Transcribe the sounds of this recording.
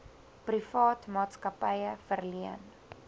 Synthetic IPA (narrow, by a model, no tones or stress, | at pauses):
prifɑːtmɑːtskɐpəjəfərliən